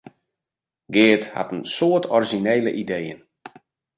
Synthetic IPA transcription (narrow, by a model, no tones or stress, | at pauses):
ɡɪːtha̰tənsoətʰɔriʒineːləʔidejə̰n